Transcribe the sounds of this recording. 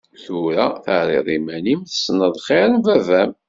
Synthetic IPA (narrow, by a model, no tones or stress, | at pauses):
θʊɾaθəʕɾḭðˤimænimθə̥snəðˤχɪɾəmvævæm